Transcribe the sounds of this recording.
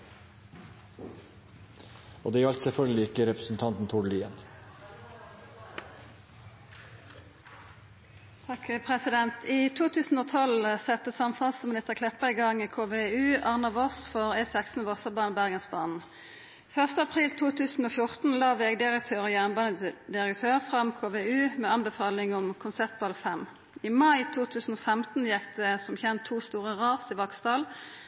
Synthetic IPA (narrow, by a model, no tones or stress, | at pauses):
o̰ːd̪ɛːɑlt̪sɛfœlɡlɪɪkəɾɛpɾəsn̩t̪ʰɑnt̪n̩t̪ʰʊɖliːən | t̪ʰɑkpʰʁɛsɪd̪ɛnt̪ʰiːt̪ʰuːt̪ʰʉːsn̩oːt̪ʰɔlsɛt̪əsɑmfɑlsmɪnɪst̪əʁkʰlɛpəɪɡɑŋikʰoːʋeʉːɑʁnɑʋɔsfɔʁɛːsɛksn̩əʋɔsəbɑːnəbæʁɡənsbɑ̰ːnn̩ | fœʁst̪əɑpʰʁiːlt̪ʰuːt̪ʰʉːsn̩ɔːfjʊʁt̪n̩lɑːʋeɡd̪ɪʁək̚t̪ʰøːʁɔjæʁnbɑːnəd̪ɪʁəkt̪ʰøːʁfʁɑmkʰoːʋeʉːmɛɑnbəfɑːlɪŋɔmkʰʊnsɛpt̪̚bɑlfɛm | ɪmɑɪt̪ʰuːt̪ʰʉːsn̩ɔfɛmt̪n̩jɛkd̪ɛsɔmçɛnt̪ʰːuːst̪uːʁəʁɑːʁsɪʋɑkst̪ɑːl